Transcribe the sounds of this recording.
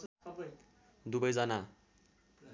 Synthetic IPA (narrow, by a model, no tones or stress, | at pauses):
d̪ubʌjd͡zʌna